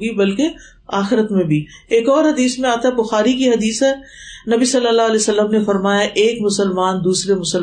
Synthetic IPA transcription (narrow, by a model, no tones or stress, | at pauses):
ɡibɐlke | aːxɪɾət̪mẽbʱi | eːkɔːɾɦɐd̪iːsmẽaːt̪aɦɛbʊxaːɾikiɦɐd̪iːsɦɛː | nɐbisɐlːəlːaɐleːsɐlːəmnefɐɾmaːjaʔeːkmʊsəlmaːnd̪uːsɾemʊsəl